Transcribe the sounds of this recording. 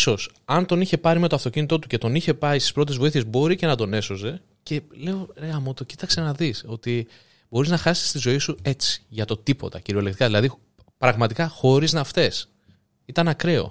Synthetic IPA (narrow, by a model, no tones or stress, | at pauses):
so̞s | ɐnt̪o̞niçe̞pɐɾime̞t̪o̞ɐft̪o̞cinit̪o̞t̪uce̞t̪o̞niçe̞pɐisi̥spɾo̞t̪̬e̞zvo̞iθie̞zbo̞ɾice̞nɐd̪o̞ne̞so̞ze̞ | ce̞le̞o̞ɾeɣɐmot̪o̞ci̥t̪ɐkse̞nɐðiso̞t̪i | bo̞ɾiznɐxɐsi̥st̪izo̞isue̞t͡si̥ʝɐt̪o̞t̪ipo̞̰t̪ɐciɾio̞lekt̪i̥kɐðilɐði | pɾɐɣmɐt̪ikɐxo̞ɾiznɐft̪e̞s | it̪ɐnɐkɾe̞o̞̰